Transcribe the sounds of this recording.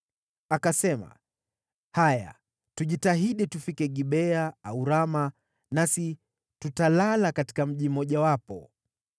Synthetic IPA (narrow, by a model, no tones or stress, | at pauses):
akasɛma̰ | haja̰ | tuʄitaɦiɗitufikɛɡiɓɛaauɾama | nasi | tutalalakati̥kam̩ʄim̩ɔʄawapɔ̰